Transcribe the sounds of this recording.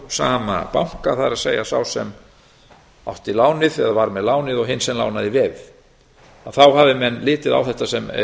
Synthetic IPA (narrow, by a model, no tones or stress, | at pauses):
saːma̰pawŋ̥kaθaɾaðseːjasa̰wsɛ̰m | a̰wht̪ilaːwnɪðɛðavaɾmɛðlaːwnɪðɔɣɦɪnsɛmla̰wnaðɪvɛð | aθawhavɪmɛnːlɪːt̪ɪða̰wθɛht̪asɛm